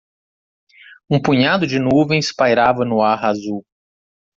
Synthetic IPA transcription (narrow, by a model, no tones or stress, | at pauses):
ũpũɲad̪ʊd͡ʒɪnuvẽj̃spajɾavɐnʊaɾazuw